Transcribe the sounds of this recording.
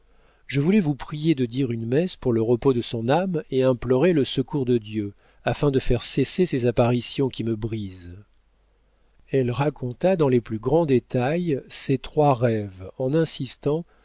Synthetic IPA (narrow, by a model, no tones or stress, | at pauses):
ʒəvulɛvupχijed̪əd̪iʁynmɛspuʁləʁəpod̪əsɔ̃nameɛ̃plɔʁeləsəkuʁd̪əd̪jø | afɛ̃d̪əfɛʁsesesezapaʁisjɔ̃kʲiməbʁiz | ɛlʁakɔ̃t̪ad̪ɑ̃leplyɡʁɑ̃d̪et̪ajset̪χwaʁɛvɑ̃nɛ̃sist̪ɑ̃